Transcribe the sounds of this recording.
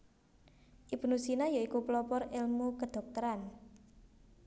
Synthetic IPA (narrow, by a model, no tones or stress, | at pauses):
ʔibunusinajaikuplɔpɔɾɪlmukəd̪̥ɔ̤k̚t̪əɾan